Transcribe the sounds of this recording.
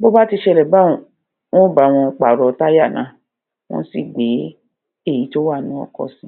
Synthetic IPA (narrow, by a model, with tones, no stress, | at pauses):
bo˦ba˦ti˧ʃɛ˧˨lɛ˨ba˦ɔ̃˨ | w̃ɔ̃˦ba˨˦˨w̃ɔ̃˧k͡pa˨ɾɔ˨˧ta˦ja˦˨nã˨˦ | w̃ɔ̰̃˦si˦˨ɡ͡be˨˦ | e˦˨ji˨˦to˦wa˦˨nũ˨˦ɔ̰˦˧kɔ̰˧sĩ˦